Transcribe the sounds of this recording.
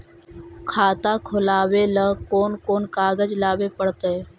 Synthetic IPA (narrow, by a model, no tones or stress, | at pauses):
kʰaːt̪akʰʊlaːweləkoːnkoːnkaːɡəd͡ʒlaːwepəɽt̪eɛ